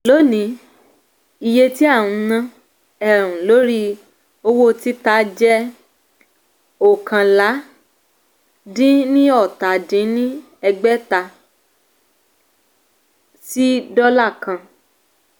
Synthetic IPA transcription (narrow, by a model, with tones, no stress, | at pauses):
lo˨˦nĩ˨˦ | i˧je˧ti˦a˦˨wũ˧nã˧ | ɛ˦˨ɾ̃ũ˨lo˨˦ɾi˧ | o˧wo˦ti˦ta˦d͡ʒɛ˦ | o˦˨kã˨la˨˦ | dĩ˦nĩ˦ɔ˦˨ta˨dĩ˨˦nĩ˦ | ɛ˧ɡ͡bɛ˦ta˧ | si˦dɔ˦la˦˨kã˧